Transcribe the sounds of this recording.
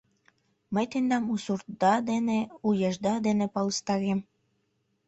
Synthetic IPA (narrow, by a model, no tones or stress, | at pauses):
məjt̪end̪ɑmusurt̪d̪ɑd̪eneujɑʒd̪ɑd̪enepɑləst̪ɑɾem